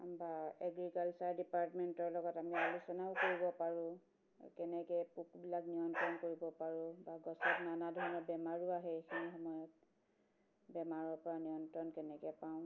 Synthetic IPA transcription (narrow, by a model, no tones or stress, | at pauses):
baɛɡɹikalsaɹdipaɹtmɛntɔɹlɔɡɔtamialusɔnaʊkoɹibɔpaɹʊ̃ | kɛnɛkɛpukbilaknijɔntɹɔnkoɹibɔpaɹʊ̃baɡɔsɔtnanadʱɔɹɔnɔbɛmaɹʊaɦɛxinixɔmɔjɔt̚ | bɛmaɹɔɹpɔɹanijɔntɹɔnkɛnɛkɛpaʊ̃